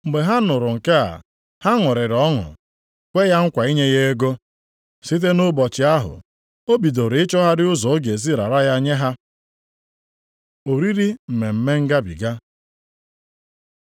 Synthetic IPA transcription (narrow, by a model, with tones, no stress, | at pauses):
m̩˨ɡ͡be˨ɦa˦nʊ˨ɾʊ˨ŋ̩˨ke˦a̰˨ | ha˦ŋʊ˨ɾɪ˨ɾɔ˦ŋʊ̰˨ | kʷe˦ja˦ŋ̩˦kʷa˨i˦ɲe˦ɣe˦e˦ɡo˦ | si˦t̬e˦nʊ˦bɔ˨t͡ʃɪ˨a˦ɦʊ̰˨ | o˦bi˨do˨ɾɪ˨ɪ˦t͡ʃɔ˦ɦa˦ɾɪ˦ʊ˦zɔ˨o˦ɡe˨zi˦ɾa̰˨ɾa˦ja˦ɲe˦ɦa˦ | o˨ɾi˦ɾi˦m̩˨me˨m̩˦me˦ŋ̩˦ɡa˦bḭ˨ɡa˦